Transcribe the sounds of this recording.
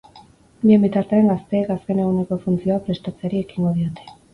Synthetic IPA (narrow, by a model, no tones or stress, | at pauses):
bie̞mbit̪aɾt̪e̞aŋɡast̪e̞ːkaske̞ne̞ɣune̞ko̞funt͡sio̞apɾe̞st̪at͡seaɾie̞kiŋɡo̞ð̞io̞t̪e